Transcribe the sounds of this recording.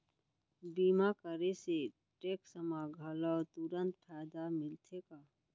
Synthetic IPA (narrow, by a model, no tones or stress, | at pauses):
biːmakəɾese | ʈeːksəmaɡʱələt̪uɾə̃nt̪̚pʰɛːd̪amɪlt̪ʰekaː